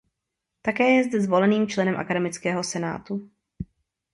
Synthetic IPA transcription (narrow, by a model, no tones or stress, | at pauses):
t̪akɛːjɛzd̪ɛzvo̞lɛniːmt͡ʃlɛnɛmʔa̰kadɛmɪt͡skɛːɦo̞sɛna̰ːt̪u